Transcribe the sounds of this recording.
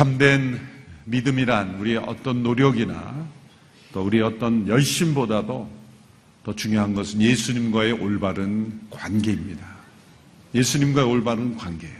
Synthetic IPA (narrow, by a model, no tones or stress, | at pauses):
t͡ɕʰamdwe̞nmidɯmiɾanuɾieʔʌ̰t͈ʌnːoɾjʌɡina̰ | t͈ouɾieʌt͈ʌnjʌɭɕ͈imbodado | tʌt͡ɕuŋjoɦanɡʌsʰɯnje̞sʰuɲimɡwae̞ʔoɭbaɾɯnkwanɡe̞imɲida | je̞sʰuɲimɡwae̞oɭbaɾɯnkwanɡe̞